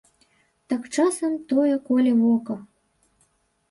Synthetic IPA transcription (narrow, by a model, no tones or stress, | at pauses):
t̪ɑkt͡ʃɑsə̆mt̪ojekolʲeβokɤ̆